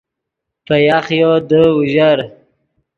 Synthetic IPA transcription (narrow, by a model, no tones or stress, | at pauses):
pəjaχjod̪əuʒaɾ